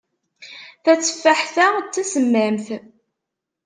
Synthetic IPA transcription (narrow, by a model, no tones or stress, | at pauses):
θæt͡sːə̥fːæħθæt͡sːæsəmːæmθ